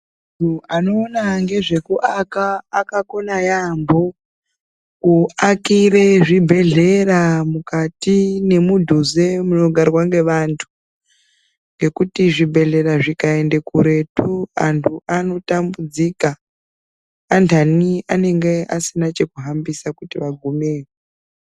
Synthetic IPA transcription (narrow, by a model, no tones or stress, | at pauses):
tuano̞ːnaŋɡe̞ʐe̞kuʔakaːkako̞najambo̞ | kuakiɾeʐibʱe̞ɮe̞ramukatine̞mudʱuze̞muno̞ɡʱarwaŋɡe̞ʋantʰu̥ | ŋɡe̞kutiʐibʱe̞ɮe̞ɾaʐikaende̞kuɾe̞tuantʰuano̞tambud͡zika | ntʰaniane̞ŋɡe̞asinat͡ʃe̞kuɦambisakutiʋaɡʱumeːre